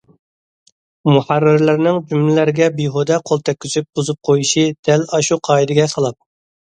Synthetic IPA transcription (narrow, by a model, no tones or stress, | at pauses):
muħærːɪɾlɪɾnɪŋd͡ʒymlɪlɪɾɪɡʲɛbiɦod̪ɛqʰolˠt̪ʰɛk̚ʲʰːyt͡ʃ̪ʰyp̚b̥ozup̚qʰojiʃid̪̥ɛlɑʃuqʰɑːid̪ɪɡʲɛqʰɑlˠɑp̚